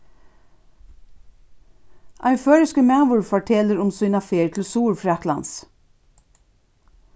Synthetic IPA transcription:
ʔɑ̰ɪføːɹəskəmɛːʋʊɹfɔʈʰɛləɾʊmsiːnɑfeːɹt̪ʰl̩suːɹfɹɛt̪lɑ̰ns

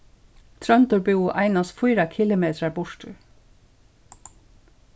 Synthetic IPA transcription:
t̪ʰɾœnt̪ʊɹbuwʔa̰jnast̪fʊjɾakʰɪlʊmeːt̪ɾaɹbʊɹt̪ʏ

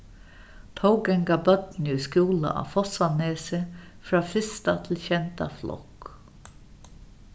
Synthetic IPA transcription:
t̪ʰowɡɛŋɡabœt̪nʏskjuːla̰ʔa̰fɔsaneːsə | fɾaːfɪst̪at̪ʰɪlçɛnt̪a̰flɔ̰k

